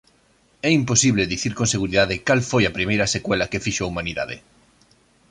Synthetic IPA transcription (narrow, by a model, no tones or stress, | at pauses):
ɛimposiβleðiθiɾkonseɣuɾiðaðɪkalfojɐpɾimejɾɐsekwɛlɐkefiʃoɐumaniða̰ðɪ̰